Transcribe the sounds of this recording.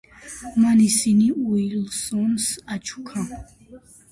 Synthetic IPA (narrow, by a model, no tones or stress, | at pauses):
manisiniuilsɔnsat͡ʃʰu̥kʰa